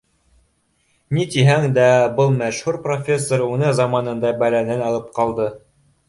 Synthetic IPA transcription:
nit̪iɦæŋd̪æbɤlˠmæʃhuɾprofʲe̞sːoɾunɤzɑmɑnɤ̆nd̪ɑbælænɘnɑlˠɤp̚qɑlˠd̪ɤ

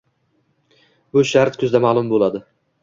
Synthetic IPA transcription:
bʊʃaɾt̪kʰʲʊzd̪amaːlˠʊmbolˠad̪ɪ

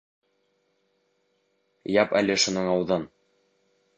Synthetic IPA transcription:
jɑpæ̰lɘʃunɤɴɑwðɤn

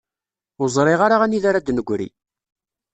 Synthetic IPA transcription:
ʊzˤɾˤɪʁaɾaʁæniðaɾad̪nəɡʷːɾḭ

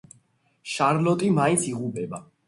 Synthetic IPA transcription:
ʃaɾlɔt̪ʼimaint̪sʰiʁupʼɛba

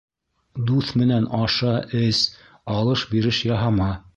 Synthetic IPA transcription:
d̪uθmɘ̆nænʔɑʃɑʔɘs | ɑlˠɤʃbiɾɘʃjɑɦɑmɑ

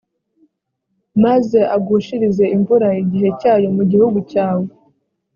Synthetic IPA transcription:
maze̞ʔaɡuːʃiɾize̞ʔimvuɾaiɟiɦe̞caːjo̞muɟihuɡucaːwe

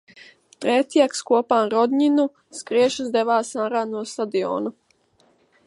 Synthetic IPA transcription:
t̪ɾɛt̪ʲjakskuɔpaːɾɔd̪ʲɲinu | skɾiɛʃɨzd̪ɛʋaːsanɾaːnuɔst̪ad̪iɔ̰ːnu

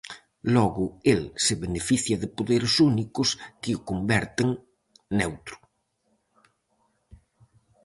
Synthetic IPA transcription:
lɔɣʊelsɪβenefiθjɐðɪpoðeɾɪsunikʊskɪʊkombɛɾt̪ɪŋ | newt̪ɾʊ̥

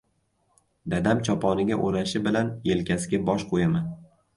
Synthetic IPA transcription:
d̪ad̪amt͡ʃʰɒpʰɒnɪɡʲaʔoɾaʃɪbɪlanje̞lkʲʰasɪɡʲabɒʃqʰojaman

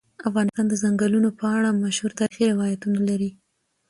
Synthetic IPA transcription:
afɣɑnɪst̪ɑnd̪əzaŋɡəlunopəaɽamaʃhuɾt̪ɑɾixiɾɪwɑjat̪unalaɾi

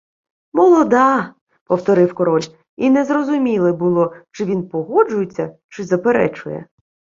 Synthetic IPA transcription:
mɔlˠɔd̪ɑ | pɔwt̪ɔɾɪwkɔɾɔlʲ | inɛzrɔzʊmʲilˠɪbʊlˠɔt͡ʃɪʋʲinpɔɦɔd͡ʒʊjet͡sʲːɐt͡ʃɪzɐpeɾɛ̰t͡ʃʊjɛ̰

